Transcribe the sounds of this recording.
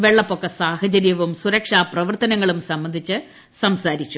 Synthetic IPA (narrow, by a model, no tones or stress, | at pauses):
ʋe̞ɭːɐpːo̞kːɐsaːhɐt͡ɕɐɾjɐʋumsuɾɐkʂaːprɐʋɐrt̪ɐnɐŋːɐɭumsɐmbːɐnd̪ʱit͡ɕːɨ | sɐmsaːɾit͡ɕːu